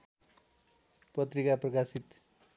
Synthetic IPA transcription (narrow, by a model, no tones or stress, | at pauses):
pʌt̪rikaprʌkasit̪